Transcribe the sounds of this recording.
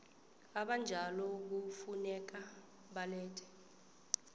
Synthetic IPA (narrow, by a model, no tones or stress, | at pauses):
aɓand͡ʒʱalɔk̬ufunɛk̬a | ɓalɛːtʰɛ̥